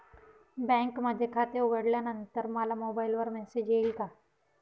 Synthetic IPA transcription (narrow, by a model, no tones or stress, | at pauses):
bɛ̃ːŋkmɐd̪ʱekʰaːt̪eʊɡəɽlanɐ̃nt̪əɾmaːlamoːbaːɪlʋəɾmɛːsed͡ʒeːlka